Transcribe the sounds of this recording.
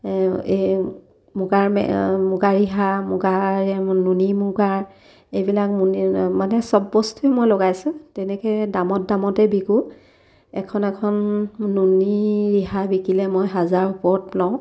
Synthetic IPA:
e | muɡaɹmɛ̰muɡaɹiɦamʊɡaɹɛnunimʊɡaɹ | ejbilak̚munimanɛsɔbːɔstuɛmojloɡajsʊ̃tɛnɛkɛdamɔt̚damɔtɛbiku | ɛkʰɔnɛkʰɔnːuniɹiɦabikilɛmojɦazaɹupɔɹt̚plaʊ̃

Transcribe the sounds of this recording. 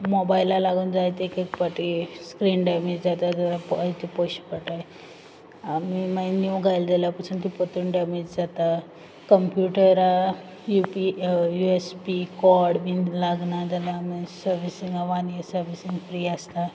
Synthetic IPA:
mobajlːalaɡuːnd͡zajt̪ekek̚paʈiskɾiːnɖɛmed͡ʑd͡zat̪at̪əɾapit̪ipoɕipəʈaj | amimainjuwɡʱajld̪elapəsunt̪ipot̪uɳɖɛmed͡ʑd͡zat̪a | kəmpjuʈəɾa | jupijuespikɔɾɽbinlaɡnad̪alamisəɾʋisiŋɡaʋanijəsəɾʋisiŋɡfɾiːəst̪a

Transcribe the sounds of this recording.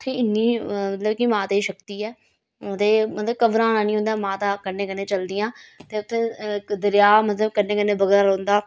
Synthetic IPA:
t̪ʰeːɪnːiːmət̪ləbkimãːt̪eʃəkt̪iːɛː | t̪eːmət̪ləb̚kəʋɾãːnãːnĩːɦʊ̃nd̪aːmãːt̪aːkənːẽːkənːẽːt͡ʃəld̪ɪjãːt̪eːʊt̪ʰːeːd̪əɾjaːmət̪ləbkənːẽːkənːẽːbəɡɾaːɾəːnd̪aː

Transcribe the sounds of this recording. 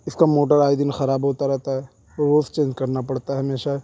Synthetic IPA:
ɪskamoːʈəɾaːid̪ɪnxɐɾaːbɦoːt̪aɾɛɦt̪aɦɛ | oːɾʋoːst͡ʃẽːɲd͡ʒkɐɾnapɐɽt̪aɦɛɦɐmeːʃaɦɛ

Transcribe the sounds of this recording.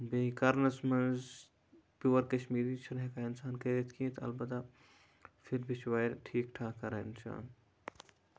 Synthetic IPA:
beikɐɾnɐsmɐnz | puwɐɾkɐʃmiːɾit͡ʃʰɐɾɦẽkaːɪnsaːnkɐɾet̪ʰkiẽt̪ʰɐ̰lbɐt̪a | fʰɪɾbʱit͡ʃʰʋaːɾʈʰiːkʈʰaːkɐɾaɪnsa̰ːn

